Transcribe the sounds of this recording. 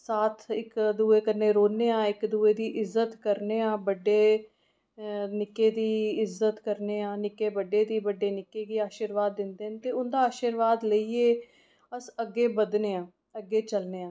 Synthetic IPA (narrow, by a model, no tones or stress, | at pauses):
saːt̪ʰɪkd̪uːeːkənːeːɾoːnːeːãːɪkd̪ueːd̪iːʔɪzːət̪kəɾneːãːbəɖːeː | nɪkːeːd̪iːɪzət̪kəɾneːãːnɪkeːbəɖeːd̪iːbəɖːeːnɪkːeːɡiːaːʃiɾʋaːd̪ːɪnd̪eːnt̪eːʊnd̪aːaːʃiɾʋaːd̪ləiːeː | əsəɡːeːbəd̪neːãː | əɡːeːt͡ʃəlneːãː